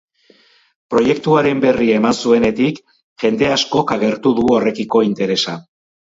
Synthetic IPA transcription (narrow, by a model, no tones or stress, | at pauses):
pɾo̞je̞k̚t̪uaɾe̞mbe̞riemansue̞ne̞t̪ik | ʝe̞nd̪e̞asko̞kaɣe̞ɾt̪uðuo̞re̞kiko̞int̪e̞ɾe̞sa